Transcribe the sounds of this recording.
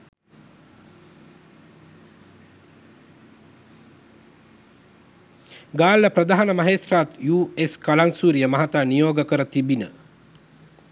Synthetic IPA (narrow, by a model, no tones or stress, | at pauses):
ɡaːlːəprəd̪aɦanəmaɦet̪rat̪juːeskalaŋsuːɾijəmɐɦat̪aːnijoːɡəkəɾət̪ibinə